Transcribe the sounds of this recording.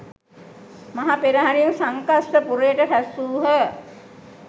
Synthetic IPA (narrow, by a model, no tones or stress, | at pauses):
maɦapeɾəɦaɾiumsaŋkasʈəpuɾəjəʈəfʰæsuːɦə